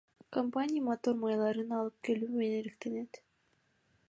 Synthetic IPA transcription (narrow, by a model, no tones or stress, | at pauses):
kompanʲijamot̪o̞ɾmajlˠɑɾɯnɑlˠɯp̚ke̞lyːmeneɾekt̪e̞ne̞t̪